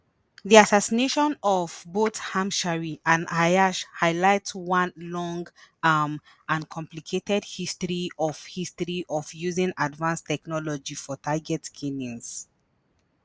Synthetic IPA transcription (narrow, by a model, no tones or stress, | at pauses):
ðiasasineʃɔ̃nɔvbothãmʃaɹiʔãnajaʃhaɪlaɪtswãnlɔ̃ŋɡam | ãnkʰɔ̃mplikʰetɛdhistɹiɔv̥histɹiʔɔvjuzĩŋadvãnstɛknɔlɔd͡ʒifɔtʰaɡɛtkʰinĩŋs